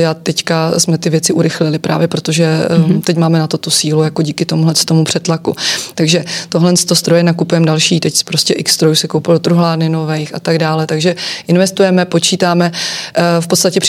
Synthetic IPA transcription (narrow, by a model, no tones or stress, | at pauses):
at̪ɛckasmɛt̪ɪvjɛt͡sɪʔuɾɪxlɪlɪpɾʔa̰ːvjɛpɾo̞t̪o̞ʒɛt̪ɛcmaːmɛnat̪o̞t̪usiːlujako̞ɟiːkɪt̪o̞muɦlɛnst̪o̞mupr̥ɛt̪lakut̪aɡʒɛt̪o̞ɦlɛnst̪o̞st̪ɾo̞jɛnakupujɛmdalʃiːt̪ɛcspɾoscɛʔɪkst̪ɾojusɛkowpɪlot̪ɾuɦlaːdnɪno̞vɛjxʔa̰t̪aɡdaːlɛt̪aɡʒɛʔɪnvɛst̪ujɛmɛpo̞t͡ʃiːt̪aːmɛ | fpot̪st̪acɛpr